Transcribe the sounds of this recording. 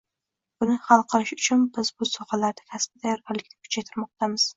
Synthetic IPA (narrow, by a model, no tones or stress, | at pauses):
b̥ʊnɪhɑlˠqʰɨlɪʃʊt͡ʃʰʊnbɪz̥bʊsɒχalaɾd̪ɪkʲʰasbɪd̪ajɒɾɡʲaɾlɪkʲnɪkʰʊ̥t͡ʃʰajt̪ʰɪɾmɒq̚t̪ʰamɪz̥